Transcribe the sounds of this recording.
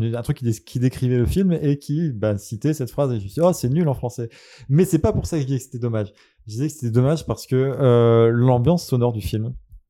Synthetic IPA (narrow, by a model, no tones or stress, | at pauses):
nɛ̃t̪χykːʲid̪ekʲʰid̪ekχivɛləfilmekʲʰibasit̪ɛsɛt̪fχazeʒəməsiɔsɛnylɑ̃fχɑ̃sɛ | mɛsɛpapuʁsakəʒəd̪izɛkə̥se̥t̪ɛd̪ɔmaʒ | ʒəd̪izɛkəse̥t̪ɛd̪ɔmaʒpaʁsə̥kəølɑ̃bjɑ̃sːɔnɔʁd̪yfilm